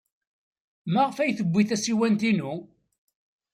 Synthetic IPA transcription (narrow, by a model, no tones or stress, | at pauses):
mæʁfæjθəbʷːiθæsiwænt̪inu